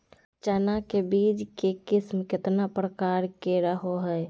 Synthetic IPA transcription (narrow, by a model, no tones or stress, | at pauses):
t͡ʃɛnakebiːd͡ʒkekɪsmkɪt̪napɾəkaːɾkeɾəɦoɦɛ